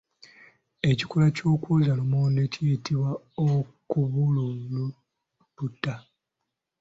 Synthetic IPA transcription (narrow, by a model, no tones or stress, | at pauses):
e̞cikulacoːkuzalomoːndecijitiβwa | okuβulolu | tutːa